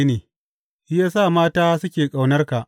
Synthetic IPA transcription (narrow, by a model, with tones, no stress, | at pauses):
neː˨˦ | jaː˦sa˦˨maː˦taː˦sʊ˦kʲeː˨kʼa˨wnɐ˦rka˨ʔ